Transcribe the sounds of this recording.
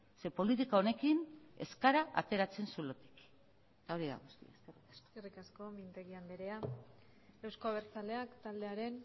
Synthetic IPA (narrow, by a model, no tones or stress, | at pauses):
se̞po̞lit̪ikao̞ne̞kine̞̰skaɾaʔa̰t̪e̞ɾat͡se̞nsulo̞t̪i̥k | t̪ao̞ɾiða̰ɣust̪ḭa̰eskerikḁsko̥kerikasko̞mint̪e̞ɣiand̪eɾea | ewskoaβ̞eɾt͡sale̞akt̪ald̪e̞aɾe̞n